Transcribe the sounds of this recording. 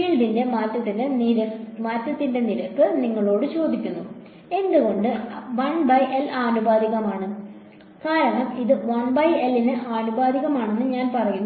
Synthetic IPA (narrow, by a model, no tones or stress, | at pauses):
iɭɖinde̞maːtːɐt̪ːindeɐmaːtːɐt̪ːinde̞niɾɐkːɨniŋːɐɭo̞ːɽɨt͡ɕo̞ːd̪ikʲːunːu | e̞nd̪uɣo̞ɳɖɨʋɐɳbɐjʔelʔaːnubaːd̪iɣɐmaːɳɨ | kaːɾɐɳɐmiðɨʋɐɳbɐjelːinɨʔaːnubaːd̪iɣɐmaːɳe̞nːɨɲaːnpɐrɐjunː